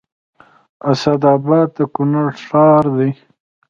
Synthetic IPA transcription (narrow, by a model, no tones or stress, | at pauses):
asad̪ɑːbɑːd̪̚ːəkʊnaɽʂɑːɾd̪i